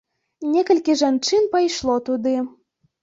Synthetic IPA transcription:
nʲekɐlʲkʲiʒant͡ʃɨnpɐjʃlˠɔt̪ud̪ɨ

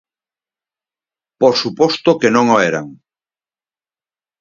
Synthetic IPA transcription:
posupɔst̪okenõŋoeɾa̰ŋ

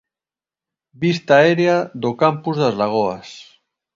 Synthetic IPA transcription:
bist̪aɛɾeaðokampuzðazlaɣ̞oas

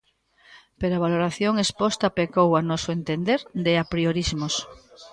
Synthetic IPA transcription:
peɾoaβ̞aloɾaθjoŋespost̪apekowanɔsʊent̪end̪eɾd̪eapɾioɾizmos

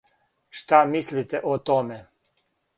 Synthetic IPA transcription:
ʃt̪amislit̪ɛʔɔt̪omɛ

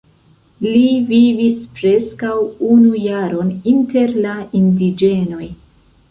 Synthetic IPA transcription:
livivispɾe̞skawunujaɾo̞ninte̞ɾlaindid͡ʒe̞no̞j

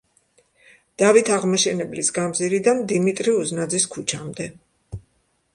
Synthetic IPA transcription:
d̪̥avit̪ʰaʁmaʃɛnɛblisɡamziɾid̪and̪imit̪ʼɾiuznad̪ziskʰut͡ʃʰamd̪ɛ

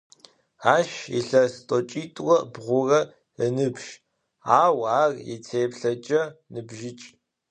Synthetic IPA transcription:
aːʃḭɬɐstʼɔt͡ʃʼiːtʼwɔbʁʷʊrɐ | ənɨpʃ | aːwaːrjɛ̰t͡sʰeːpɬɐt͡ʃʼɐnɨbʒɪt͡ʃʼ

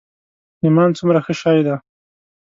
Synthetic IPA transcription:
ɪmɑnt͡sumɾaxəʃɑjd̪a

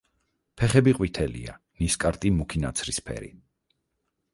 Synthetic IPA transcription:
pʰɛχɛbiqʼwit̪ʰɛlḭa̰ | niskʼaɾt̪ʼimukʰinat̪sʰɾispʰɛ̰ɾḭ

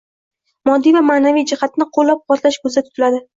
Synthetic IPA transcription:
mɒd̪ːijvamaːnavijd͡ʒɪhat̪̚nɪqʰolːap̚qɒt̪laʃkʲʰɵzd̪at̪ʰʊ̥t̪ʰɪlad̪ɪ

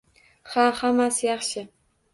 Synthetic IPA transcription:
hahamasjɑχʃɪ

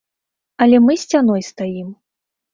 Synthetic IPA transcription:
ɐlʲɛmɨsʲt͡sʲanɔjst̪ajim

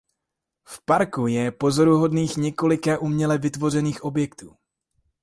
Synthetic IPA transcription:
fpaɾkujɛpo̞zo̞ɾuɦo̞dniːxɲɛko̞lɪkaʔumɲɛlɛvɪt̪vo̞r̝ɛniːxʔo̞bjɛkt̪ṵː

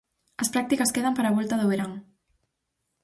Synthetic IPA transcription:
əspɾak̚t̪ikɐskeð̞ampəɾaβ̞ɔlt̪aðoβeɾaŋ

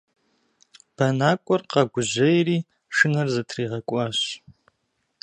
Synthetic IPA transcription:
b̥ɐnaːkʷʼɔrqɐɡʷʊʑɐjriː | ʂɨnɐrzɐtʰriːʁɐkʷʼɑːɕ

